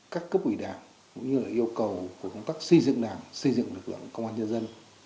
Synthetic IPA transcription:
kaː˦˥kːə˦˥p̚wi˧˩ɗaː˨˩ŋ | kʊ̰˧˥ŋ͡mɲɨ˧laː˨˩ʔi˧əwkə˨˩wku˧˩əkə˧wŋ͡mt̪aː˦˥k̚sə˧jzɨ̰˧˨ŋɗaː˨˩msə˧jzɨ̰˧˨ŋɗɨ˨˩k̚lɨ̰˧˨kə˧wŋ͡mʔaː˧ɲə˧nzə˧n

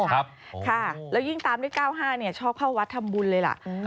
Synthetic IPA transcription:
kʰa˥˩lɛː˦˥wji˥˩ŋt̪aː˧mduː˥˩˨jkaː˥˩wɦaː˥˩ni˥˩ɐt͡ɕʰɔː˥˩p̚kʰaː˥˩wa˦˥t̪ʰːa˧mbu˧nlɤː˧jla̰˨˩ʔ

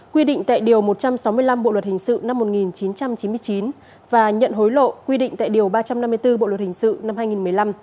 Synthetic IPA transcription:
kwi˧ɗḭ˧˨ŋ̟t̪a̰ː˧˨jɗi˨˩əwmo˨˩t̚t͡ɕa˧msa˨˦wmɨ˧əjla˧mɓo̰˧˨lwə˨˩t̚hï˨˩ŋ̟sɨ̰˧˨na˧mːo˨˩t̚ŋi˨˩nt͡ɕi˨˦nt͡ɕa˧mt͡ɕi˨˦nmɨ˧ət͡ɕi˨˦n | vaː˨˩ɲə̰˧˨nɦo˨˦jlo̰˧˨kwi˧ɗḭ˧˨ŋ̟t̪a̰ː˧˨jɗi˨˩əwɓaː˧t͡ɕa˧mna˧mːɨ˧əjt̪ɨ˧ɓo̰˧˨lwə˨˩t̚hï˨˩ŋ̟sɨ̰˧˨na˧mhaː˧jŋi˨˩nmɨ˨˩əjla˧m

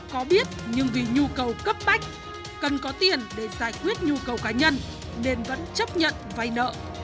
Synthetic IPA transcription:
kɔ˨˦ɓi˦˥ət̚ɲɨ˧ŋvi˨˩ɲu˧kə˨˩wkə˦˥p̚ma˦˥jk̟̚ | kə˨˩nkɔ˨˦t̪i˨˩ənɗe˧˩zaː˧˩jkwi˦˥ət̚ɲu˧kə˨˩wkaː˨˦ɲə˧n | ne˧nvə̰˧˥nt͡ɕə˦˥p̚ɲə̰˧˨nva˧jnə̰ː˧˨

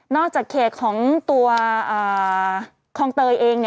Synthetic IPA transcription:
nɔː˥˩k̚t͡ɕaː˨˩kʰːeː˨˩t̪̚kʰɔː˩˦ŋt̪u˧ɐʔɤː˨˩ | kʰɔː˧ŋt̪ɤː˧jʔeː˧ŋni˥˩

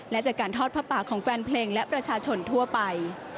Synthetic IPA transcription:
lɛ˦˥ʔt͡ɕaː˨˩kːaː˧nt̪ʰɔː˥˩t̪̚pʰa˦˥pːaː˨˩kʰːɔː˩˦ŋfɛː˧npʰleː˧ŋlɛ˦˥ʔpɾa˧t͡ɕʰaː˧t͡ɕʰo˧nt̪ʰu˥˩ɐpa˧j

